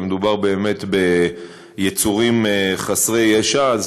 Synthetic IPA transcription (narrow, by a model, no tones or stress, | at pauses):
med̪ubaʁbe̞ːme̞t̪be̞ | jet͡suʁimχasʁejaʃaz